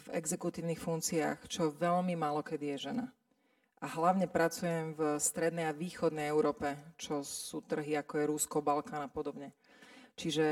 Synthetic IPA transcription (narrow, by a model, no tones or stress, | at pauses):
vɛ̰ɡzɛkut̪iːʊnixfunkt͡sia̰xt͡ʃɔʋɛʎmimaːlɔkɛd̪ijɛʒɛna | ʔaɦlaʊɲɛpɾat͡sujɛmvst̪ɾɛd̪nɛjaʋiːxɔd̪nɛjɛʊɾɔːpɛt͡ʃɔsuːt̪r̩ɦiakɔjɛɾuskɔbalkaːnapɔd̪ɔbɲɛ | t͡ʃiʒɛ